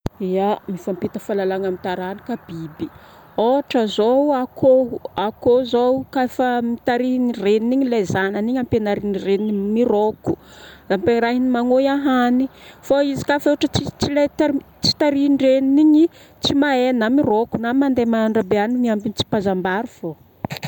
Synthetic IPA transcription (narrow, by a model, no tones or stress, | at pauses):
iamifampit̪əfalalaŋamit̪aɾani̥kabibi | oaʈ͡ʂəzoakʰoakozowkafəmit̪aɾinireniniɲilezananiɲampenaɾinirenimiroku̥lampeɾaɦinimaŋojaɦanifaizi̥kafoʈ͡ʂət͡sit͡silet̪a | t͡si̥t̪aɾinɖ͡ʐeniniɲi | t͡simaenamirokunamand̪emaaɳɖ͡ʐabeanimiambinit͡si̥pazambaɾufo